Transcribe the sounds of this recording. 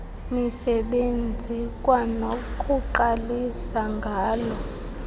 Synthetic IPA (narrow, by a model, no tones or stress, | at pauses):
misɛɓend͡zʱikʼwanokʼuǃalisaŋɡʱaːlɔ